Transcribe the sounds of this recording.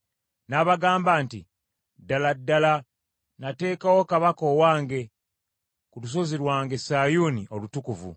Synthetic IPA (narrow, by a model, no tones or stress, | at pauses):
naβaɡaːmbaːntḭ | daladːala | nate̞ːkawo̞kaβakoːwaːŋɡe̞ | kulus̬o̞ziɾwaːŋɡe̞saːjuːniʔo̞lutukuvṵ